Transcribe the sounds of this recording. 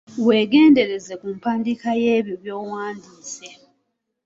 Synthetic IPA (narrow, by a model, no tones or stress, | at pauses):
we̞ːɡe̞ːnde̞ɾe̞zekumpaːndikajeːβjoβjo̞ːwaːndiːse̞